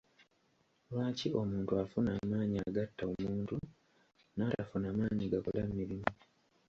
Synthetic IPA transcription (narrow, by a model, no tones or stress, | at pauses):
lwaːcio̞muːntuafunaːmaːɲiaɡatːaomuːntu | naːtafunaːmaːɲiɡakolamːiɾimu